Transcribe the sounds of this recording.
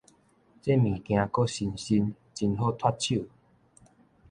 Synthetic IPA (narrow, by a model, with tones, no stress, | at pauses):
t͡se˦mĩ˨˩kj̃ã˧ko˦ɕi˧nɕi˧n | t͡ɕi˧nɦo˦t̪ʰwa˦t̚t͡ɕʰu˥˨